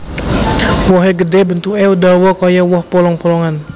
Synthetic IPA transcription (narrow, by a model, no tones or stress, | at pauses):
wɔɦɛɡədɛbənt̪uɛudawɔkɔjawɔhpɔlɔŋpɔlɔŋan